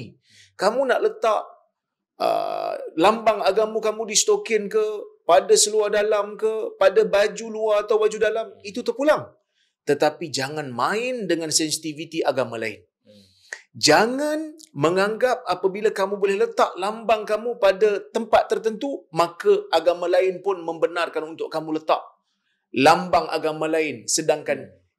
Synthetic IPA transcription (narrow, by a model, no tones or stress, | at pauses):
kamũnaʔlət̪aʔ | ə̰lambaŋaɡamukamũdist̪okɪnkəpadasəluahdalamkəpadabad͡ʒuluaːt̪awbad͡ʒudalamit̪ut̪ərpulaŋ | t̪ət̪apid͡ʒaŋãnmãɪndəŋãnsɛnsi̥t̪ivit̪iʔaɡamala̰ɪ̰n | d͡ʒaŋanməŋaŋɡap̚apabilakamubolɛhlət̪aʔlambaŋkamũpadat̪əmpat̪ːərt̪ənt̪umakəaɡamãlaɪnpʊnmə̃mbənarkanunt̪ʊʔkamũlət̪aʔ̚ | lambaŋa̰ɡamãlaɪnsədaŋkan